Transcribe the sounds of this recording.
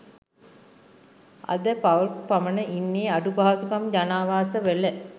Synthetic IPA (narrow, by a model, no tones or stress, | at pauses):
a̰d̪əpaʋpamənəʔinːeːaɖubaːsukamd͡ʒanaːʋaːsəʋelə